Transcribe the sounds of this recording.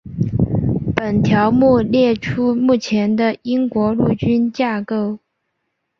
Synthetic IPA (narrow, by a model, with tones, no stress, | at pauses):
pə˨˩nt̪ʰjɑ˧˥ʊmu˥˧ljɛ˥˩ʈ͡ʂʰu˥mu˥˩t͡ɕʰjɛ˧˥nd̪ə˧i˥ŋkwɔ˧˥lu˥˩t͡ɕy˥nt͡ɕja˥˩ko˥˧ʊ